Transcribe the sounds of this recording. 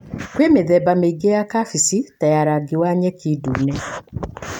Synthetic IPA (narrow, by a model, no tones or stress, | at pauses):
kwemeðɛbameiɡejakafisitajaɾaɡiwaɲɛkidunɛ